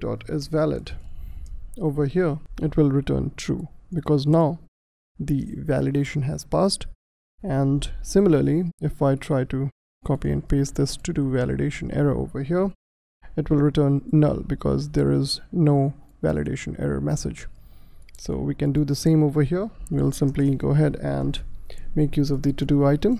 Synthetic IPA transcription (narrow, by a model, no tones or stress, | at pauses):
dɔ̰ːʈɪzʋælɪ̰ɖ | oːvəɦiɹɪʈwɪlˠɹɪʈə̰̃ːnt̪ʰɾṵːbɪkɔːznaʊ | d̪iʋæ̰lɨɖeɪʃə̃nɦæz̥paːsʈ | æ̃nɖsɪ̃mɪləɾliɪfaɪʈʰɾaɪʈu | kʰɔpiɛ̰̃n̚peːsd̪ɪsʈuduʋælɪ̰ɖeɪʃə̃nʔɛ̰ɹə̰ʔo̰ːvə˞ɦiɹ | ɪʈwɪlˠɹɪʈəːnːʌ̰lbɪkʰɔ̰zd̪ə̰ːɹɪznoːʋæ̰lʔɪ̰ɖḛɪʃə̃nɛ̰ɾə̰mɛsɪ̰d͡ʒ | so̰ːʋikɛ̃nɖud̪əsẽːmovə˞ɦiəɹʋilsɪ̃mpliɡoːəɦɛɖæ̰̃nɖmeːkjuːzɔʋd̪iʈuʈuːaɪʈə̃m